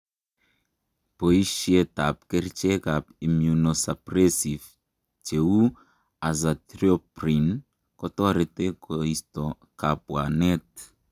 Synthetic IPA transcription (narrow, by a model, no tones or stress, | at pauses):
poiʃiet̪ap̚kɛɾt͡ʃekapimjunosapɾesif | t͡ʃeu | azat̪ɾiopɾin | kɔt̪ɔɾet̪ekoist̪ɔ | kapwanɛt̪